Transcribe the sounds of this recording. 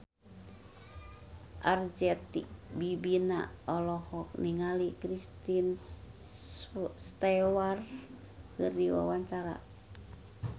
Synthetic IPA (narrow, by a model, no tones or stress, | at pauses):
ʔard͡ʒɛt̪ik̚bibina̰ɔlɔhɔk̚niŋalikɾist̪in | st̪ɛwar | kɨrdiwa̰waɲt͡ʃaɾa̰